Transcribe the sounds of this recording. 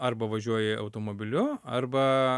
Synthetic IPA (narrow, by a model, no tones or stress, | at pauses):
ɐɾbɐʋɐʒʲuɔjɛʔɐ̰ʊt̪oːmoːbʲɪlʲʊɐ̰ɾbɐ